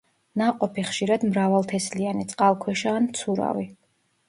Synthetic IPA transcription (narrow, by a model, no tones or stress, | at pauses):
naqʼɔpʰiχʃiɾad̪mɾavalˠt̪ʰɛslianit̪sʼqʼalˠkʰwɛʃaːnmt̪sʰuɾa̰vi